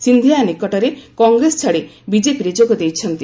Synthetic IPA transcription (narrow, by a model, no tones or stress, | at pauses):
sind̪ʱijanikɔʈɔɾekɔŋɡɾesɔ̥t͡ʃʰaɽebid͡ʒepiɾed͡ʒoɡɔd̪ejt͡ʃʰɔnt̪i